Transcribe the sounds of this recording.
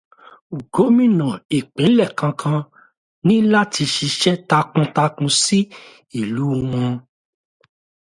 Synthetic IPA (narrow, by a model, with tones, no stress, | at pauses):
u˨ɡo˨˦mĩ˦˨nã˨e˨k͡pẽ˨˦lɛ˦˨kã˧kʰã˧ | nĩ˦la˦ti˧ʃi˧ʃɛ˦ta˧kũ˧ta˧kũ˧si˦ | i˦˨lu˨˦w̃ɔ̃˧